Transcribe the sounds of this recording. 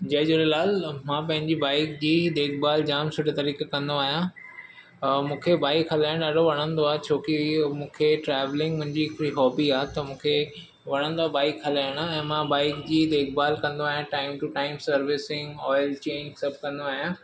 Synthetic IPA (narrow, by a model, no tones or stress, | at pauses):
d͡ʑɐɦd͡ʑʊɾelaːlmãːpɐ̃ɦɪ̃ɲd͡ʑibaːɪkd͡ʑiːd̪eːkʰbaːld͡ʑaːmsʊʈət̪ɐɾiːkekɐ̃nd̪oaːɦijã | mũːkʰebaːɪkɦɐlaːɪɽ̃ɗaːɖʱoʋɐɽ̃ə̃nd̪oaːɦt͡ɕʰoːkimũːkʰeʈɾɛːʋlɪ̃ŋɡmʊ̃ɦɪ̃ɲd͡ʑiɪkʊɾiɦɔːbiaːɦt̪ɐmũːkʰe | ʋɐɽ̃ə̃nd̪oaːbaːɪkɦɐlaːɪɽ̃aɛ̃ːmãbaːɪkd͡ʑiːd̪eːk̚baːlkɐ̃nd̪oaːɦijãʈaːɪmʈuʈaːɪmsɐɾʋɪsɪ̃ŋɡɔːɪlt͡ɕeːɲsɐb̚kɐ̃nd̪oaːɦijãː